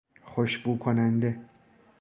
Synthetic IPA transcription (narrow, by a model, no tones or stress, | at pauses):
χoʃbuːkʰonænd̪e